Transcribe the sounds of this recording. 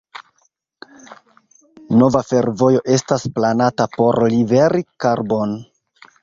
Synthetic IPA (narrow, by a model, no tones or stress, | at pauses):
no̞vafe̞ɾvo̞jo̞ʔe̞stasplanatapo̞ɾlive̞ɾikaɾbo̞n